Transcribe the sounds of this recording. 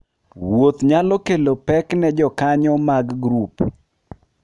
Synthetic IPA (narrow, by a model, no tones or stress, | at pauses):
wot̪ɲalɔkelopɛknɛd͡ʒɔkaɲɔmaɡɡɾup